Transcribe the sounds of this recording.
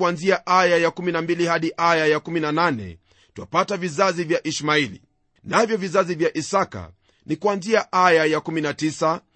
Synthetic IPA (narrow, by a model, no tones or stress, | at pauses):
anziaʔajajakuminambilihaɗiʔajajakuminananɛ̰ | twa̰patavizazivjaʔiʃmailḭ | navjɔvizazivjaʔisaka̰ | nikuanziaʔajajakuminatisa